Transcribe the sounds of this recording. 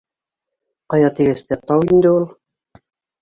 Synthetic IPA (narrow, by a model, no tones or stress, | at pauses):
qɑjɑt̪iɣɘ̆st̪æt̪ɑwind̪ɘulˠ